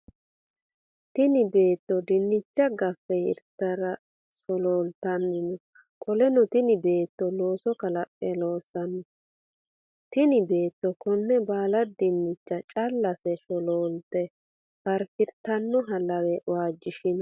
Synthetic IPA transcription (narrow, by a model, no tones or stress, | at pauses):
t̪ɪnɪbe̞ːt̪ːɔd̪ɪnːɪt͡ʃːɐɡɐfːɛɪ̰ɾt̪ːɐɾɐ | sɔloːlt̪ɐnːɪnɔ | kʼɔlɛnɔt̪ɪnɪbe̞ːt̪ːɔlo̞ːsɔkɐlɐpʼːɛlo̞ːsɐnːɔ | t̪ɪnɪbe̞ːt̪ːɔkɔnːɛbaːlɐd̪ɪnːɪt͡ʃːɐt͡ʃʼɐlːɐsɛʃɔloːlt̪ɛ | pɐɾfɪɾt̪ːɐnːɔɦɐlɐwɛʔwaːd͡ʒːɪʃɪnɔ